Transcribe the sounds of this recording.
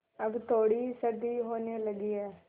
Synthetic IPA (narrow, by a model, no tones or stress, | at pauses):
əbt̪ʰoːɽiːsəd̪iːɦoːneːləɡiːɛː